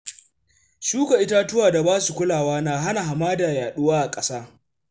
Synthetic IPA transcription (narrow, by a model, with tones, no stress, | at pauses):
ʃuː˦ka˨ʔɪ˦ta˦tʊ˦waː˨da˨baː˦su˨kʷʊ˦laː˨waː˦naː˦ɦa˦na˨ɦa˨maː˦da˨jaː˨ɗʊ˦waː˦ʔa˨kʼɐ˦saː˦